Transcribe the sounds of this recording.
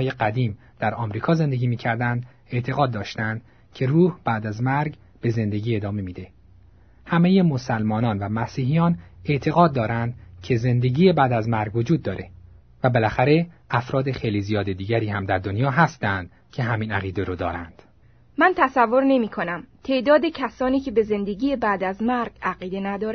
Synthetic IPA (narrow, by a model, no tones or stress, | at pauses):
jeɢæd̪iːm | d̪̥æɾɒːmɾiːkʰɒːze̞nd̪e̞ɡiːmiːcʰæɾd̪ænd̪ | e̞ʔt̪ʰe̞ɣɒːd̪ːɒːʃt̪ænd̪ | cʰe̞ruːhb̥æːd̪æzmæɾɡ | b̥e̞ze̞nd̪e̞ɟiːe̞d̪ɒːme̞miːd̪e̞ | hæme̞je̞mo̞sælmɒːnɒːnvæmæsiːɦijɒːne̞ʔt̪ʰe̞ɣɒːd̪̚ːɒːɾænd̪cʰe̞ze̞nd̪e̞ɟiːjebæːd̪æzmæɾɡvo̞d͡ʒuːd̪̚ːɒːɾʔe̞ | væbe̞læxæɾe̞æfɾɒːd̪e̞xe̞jliːzijɒːd̪e̞d̪iːɟæɾiːhæmd̪æɾd̪onjɒːɦæst̪ænd̪̥ | cʰe̞ɦæmiːnæɣiːd̪eɾoːd̪ɒːɾæ̰nd̪̥ | mænt̪ʰæsævːo̞ɾne̞miːkʰo̞næmt̪ʰe̞ʔd̪ɒːd̪e̞cʰæsɒːniːcʰe̞be̞ze̞nd̪e̞ɡiːjebæːd̪æzmæɾɡæɣiːd̪e̞næd̪ɒːɾ